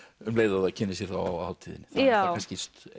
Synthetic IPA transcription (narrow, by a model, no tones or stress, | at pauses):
ʏmleːjðaðacʰɪnːɪs̬jɛɾ̥θa̰wa̰wha̰lt̪ʰiːðɪnɪθakʰascɪst̪